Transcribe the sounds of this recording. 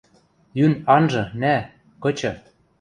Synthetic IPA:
jynɑnʒɤ̆næ | kɤ̆t͡ɕɤ̆

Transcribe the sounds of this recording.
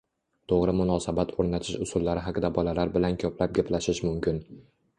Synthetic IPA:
t̪ʰoʁɾɪmʊnɒsabat̪ʰoɾnat̪ʰɪʃʊsʊlˠːaɾɪɦaqd̪abɒlalaɾbɪlankʲʰɵpʰlap̚ɡʲapʰlaʃɪʃmʊmkʲɪn

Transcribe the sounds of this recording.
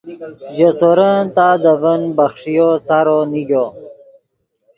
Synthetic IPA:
ʑosoɾət̪aːd̪əvənbaxʂijosaɾoniɡo

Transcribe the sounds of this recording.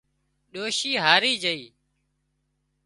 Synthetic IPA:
ɗoːʃiːɦaːɾiːd͡ʒəiː

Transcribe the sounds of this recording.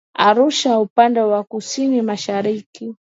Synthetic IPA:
aɾuʃaupandɛwakusinimaʃaɾiki

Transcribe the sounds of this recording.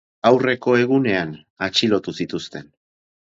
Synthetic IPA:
awre̞ko̞e̞ɣ̞une̞an | at͡ʃilo̞t̪usit̪ust̪e̞n

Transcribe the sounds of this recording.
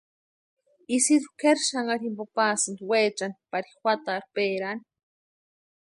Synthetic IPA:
isid̪ukeɾʃaŋaɾimpopaːsɨnd̪weːt͡ʃanpaɾi̥xʷwʷat̪aːɾpeːɾani̥

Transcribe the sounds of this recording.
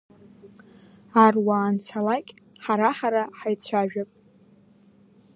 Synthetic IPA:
arwaːnt͡sʰalakʲʼħaɾaħaɾaħajt͡ɕʷʰaʒᶣapʼ

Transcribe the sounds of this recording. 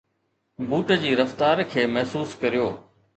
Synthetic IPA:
buːʈəd͡ʑiːɾɐft̪aːɾkʰeːmɐɦsuːskɐɾijoː

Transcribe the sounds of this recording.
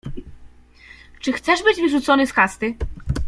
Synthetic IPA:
t͡ʂɘxt̪sɛʐbɘd͡ʑvɘʐut̪sɔnɘskast̪ɘ

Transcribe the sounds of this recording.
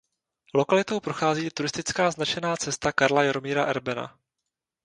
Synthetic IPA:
lo̞kalɪt̪o̞wpɾo̞xaːziːt̪uɾɪst̪ɪt͡skaːznat͡ʃɛnaːt͡sɛst̪akaɾlajaɾo̞miːɾaʔɛɾbɛna̰

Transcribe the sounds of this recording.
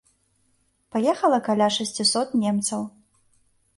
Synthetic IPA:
pajɛxɐlˠɐkalʲaʂɐsʲt͡sʲisɔt̪nʲɛmt̪sɐw

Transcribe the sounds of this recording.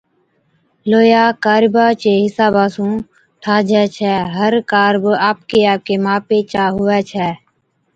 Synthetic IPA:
loːjaːkaːɾbaːt͡ʃeːɦɪsaːbaːsũː | ʈʰaːd͡ʒɛːt͡ʃʰɛːɦəɾkaːɾbaːp̚keːaːp̚keːmaːpeːt͡ʃaːɦʊɛːt͡ʃʰɛː

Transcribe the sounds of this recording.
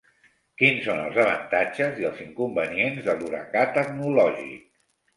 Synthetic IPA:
kinsonə̰lˠzəβ̞ə̰nt̪ad͡ʒəziəlˠziŋkumbənienzðəluɾə̰kat̪əknulɔʒḭk̚

